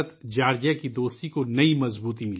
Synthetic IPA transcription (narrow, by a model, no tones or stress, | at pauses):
t̪d͡ʒaːɾd͡ʒakid̪oːst̪ikonɐimɐzbuːt̪imɪl